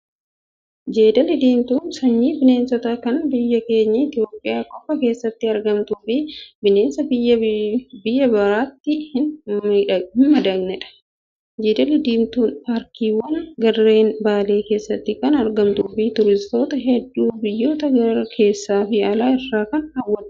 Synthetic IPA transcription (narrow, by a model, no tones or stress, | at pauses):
d͡ʒe̞ːd̪ɐlɪd̪iːmt̪uːnsɐɲːiːbɪne̞ːnsɐt̪aːkɐnbɪjːɐke̞ːɲːɐɪt̪ɪjo̞ːpʼːɪjaːkɔpːɐke̞ːsːɐt̪ːɪɐɾɡɐmt̪uːfɪbɪne̞ːnsɐbɪjːɐbɪjːɐbɐɾaːt̪ːɪhɪnᶑɐhɪnmɐd̪ɐɡnɛᶑɐ̥ | d͡ʒeːd̪ɐlɪd̪iːmt̪uːnpaːɾkiːwɐnɡɐrːe̞ːnbaːle̞ːke̞ːsːɐt̪ːɪkɐnɐɾɡɐmt̪uːfɪt̪ʊɾɪst̪o̞ːt̪ɐɦɛd̪ːuːbɪjːo̞ːt̪ɐɡɐɾɐkʰe̞ːsːaːfɪɐlaːɪrːaːkɐnhɐwːɐn